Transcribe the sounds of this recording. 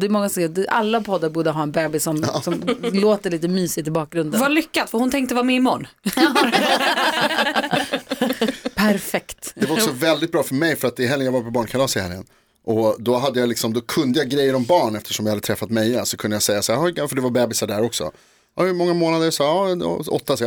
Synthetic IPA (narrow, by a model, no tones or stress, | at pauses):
d̪ɛmɔŋːasɔd̪ɛʔa̰lːapʰɔd̪ːaɾbuːɖəɦɑːɛnbɛːbɪsːɔmɪksɔmloːt̪əɭiːt̪əmyːsɪt̪ːɪbɑːk̚ɡɾɵnd̪valʏkːat̪fəɾhʊnt̪ʰɛŋkt̪əvaːɾmɛɪmɔ̰nː | pʰæɾfɛkt̪d̪ɛvaɾɔkssɔvɛld̪ɪt̪̚bɾɑːfœmɛjfœɾat̪̚d̪ɛɪɦɛljəjaːvaɾpʰɔbɑːɳkʰalɑːsɪhɛ̰ljə̰n | ʔɔd̪ɔɦad̪ːəjalɪksɔmd̪ɔkʰɵnd̪əjaɡɾɛjːəɾɔmbɑːɳɛft̪əʂɔmjahad̪ət̪ʰɾɛfːat̪mɛjasɔkʰɵnd̪əjasɛjːasaːɾɔɡafœɖɛvabɛːbɪsaɖæɾɔksɔ̰ | ɑ̰hɵmɔŋːamoːnad̪əɾsɑːɑ̰ɔ̰t̪ːas